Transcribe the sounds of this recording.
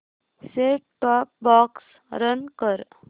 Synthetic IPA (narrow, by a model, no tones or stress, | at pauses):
seʈʈɔːp̚bɔks | ɾənkəɾ